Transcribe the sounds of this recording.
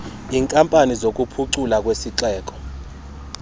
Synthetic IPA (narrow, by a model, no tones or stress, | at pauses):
iːŋkʼampʼanizok̬ʼupʰuǀulak̬ʼwesiǁɛːk̬ʼɔ̥